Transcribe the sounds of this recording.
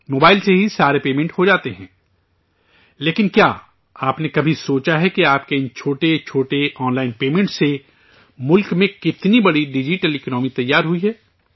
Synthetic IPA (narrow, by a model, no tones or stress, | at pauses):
moːbaːɪlseɦisaːɾepeːmɛ̃ɳʈhod͡ʒaːt̪eɦɛ̃ː | leːkɪnkja̰ː | aːpnekɐbʱisoːt͡ʃaɦɛkiaːp̚keɪnt͡ʃʰoːʈet͡ʃʰoːʈeʔɔːnlaːɪnpeːmẽɳʈse | mʊlkmẽkɪt̪nibɐɽiɖɪd͡ʒɪʈəlɪknɔːmit̪ɐjːaːɾɦʊiɦɛː